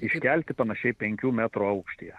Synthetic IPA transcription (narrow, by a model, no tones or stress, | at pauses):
ɪʃʲkʲælʲt̪ʲɪpɐnɐʃʲɛɪpʲɛŋʲkʲuːmʲæt̪ɾuːɐʊkʃʲt̪ʲijɛ